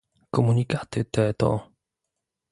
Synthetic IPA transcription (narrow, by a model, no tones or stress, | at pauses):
kɔmunʲikat̪ɨt̪ɛt̪ɔ̰